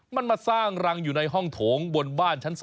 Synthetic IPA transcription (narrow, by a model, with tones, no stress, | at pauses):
ma˧nmaː˧saː˥˩ŋɾa˧ŋjuː˨˩na˧jɦɔ˥˩ŋt̪ʰoː˩˦ŋbo˧nbaː˥˩nt͡ɕʰa˦˥ns